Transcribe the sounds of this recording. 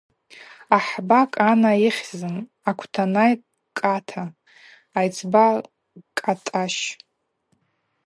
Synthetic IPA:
aħbakʼanaiχʲzɨn | akʷʰtʰanaj | kʼatʰaː | jt͡sʰba | kʼatʼaʃ

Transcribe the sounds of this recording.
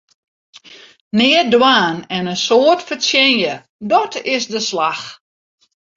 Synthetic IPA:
nɪədwaːnɛnənsoːətfəsjɛnjə | dɔtʰɪsdəslax

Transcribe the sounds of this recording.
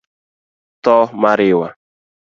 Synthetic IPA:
t̪ɔmaɾɪwa

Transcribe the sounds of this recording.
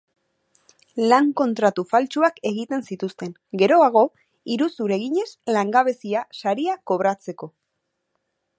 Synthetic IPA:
laŋko̞nt̪ɾat̪ufalt͡ʃuake̞ɣit̪e̞nsit̪ust̪e̞ŋ | ɡe̞ɾo̞aɣ̞o̞ | iɾusuɾe̞ɣiɲe̞slaŋɡaβ̞e̞siasaɾiako̞βɾat͡se̞ko̞

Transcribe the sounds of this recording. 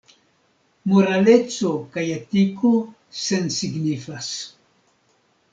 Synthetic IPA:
moɾalet͡sokajatiko | sensiɡnifas

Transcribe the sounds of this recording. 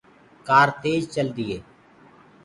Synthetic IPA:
kaːɾt̪eːd͡ʒt͡ʃəld̪iːɦeː

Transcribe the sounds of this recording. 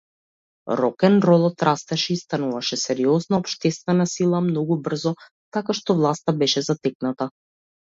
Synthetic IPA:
ɾɔkɛnɾɔlˠɔt̪ɾast̪ɛʃɛist̪anuvaʃɛsɛɾiɔznaːpʃt̪ɛst̪vɛnasilˠamnɔɡubr̩zɔ | t̪akaʃt̪ɔvlˠast̪abɛʃɛzat̪ɛk̚nat̪a

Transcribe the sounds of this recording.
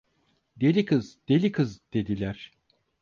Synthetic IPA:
d̪e̞lʲikʰɯzd̪̥e̞lʲikʰɯzd̪̥e̞d̪ilʲæɾ̥

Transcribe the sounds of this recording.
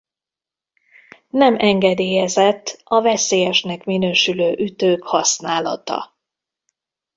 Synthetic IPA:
nɛmʔɛŋɡɛd̪eːjɛzɛt̪ːɒvɛseːjɛʃnɛkminøːʃyløːʔyt̪øːkhɒsnaːlɒ̰t̪ɒ̰

